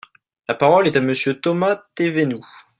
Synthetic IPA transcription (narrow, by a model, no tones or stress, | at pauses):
lapaʁɔlɛt̪aməsjøt̪ɔmat̪evenu